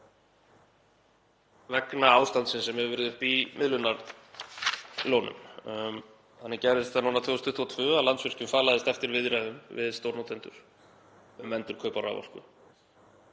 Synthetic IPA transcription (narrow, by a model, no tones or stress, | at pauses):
vɛknaaːwst̪ant̪sɪnsɛmhɛvvɛːɾɪðʏhpimɪðlʏnːaɾ | lownʏ̰m | θanːɛɾcɛjɾɪst̪anuːnat̪ʰʏːst̪ʏ̥ht̪ʰuat̪ʰvʏœːalant̪svɪr̥cʏmfaːlaðɪst̪ɛft̪ɪɾvɪðɾajðʏmvɪ̰ðst̪owɾnowt̪ʰejnt̪ʏɾ̥ | ʏmvɛnt̪ʏɾ̥kʰœɥpaɾa̰wva̰l̥kʏ̰